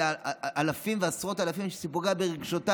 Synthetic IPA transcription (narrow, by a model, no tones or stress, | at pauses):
aʔalafimveasʁo̞talafimʃesipuɡabeʁeɡʃota